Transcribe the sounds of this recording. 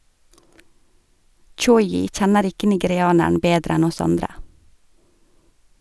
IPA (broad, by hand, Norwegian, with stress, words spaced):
ˈt͡ʃɔʏɪ ˈc͡çɛnəɾ ˈɪkə nɪɡɛɾɪˈɑːnæɳ̩ ˈbeːdɾ ˈɛn ˈɔs ˈɑndɾə